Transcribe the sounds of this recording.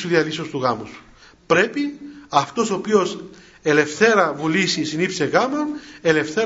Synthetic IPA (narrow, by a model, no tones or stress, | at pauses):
suðiɐlisost̪uɣɐmusu̥ | pɾe̞piɐft̪o̞sopio̞s | e̞le̞fθe̞ɾɐvulisisinipseɣɐmone̞le̞fθe